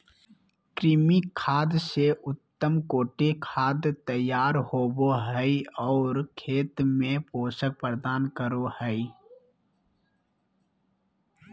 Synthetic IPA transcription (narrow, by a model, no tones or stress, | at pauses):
kɾɪmikʰaːd̪seʔʊt̪ːəmkoːʈekʰaːd̪t̪əjaːɾhoːboɦəiɔːɾkʰeːt̪mẽpoːsək̚pəɾd̪aːnkəɾohəi